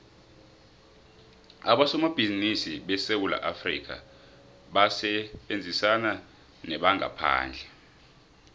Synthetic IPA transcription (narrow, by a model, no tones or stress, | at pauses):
aɓasɔmab̥ʱizinisiɓɛsewula̰ʔafrḭk̬ʰa̰ | ɓasɛɓend͡zʱisana | nɛɓaŋʱa̰pʰa̰ːnd͡ɮʱɛ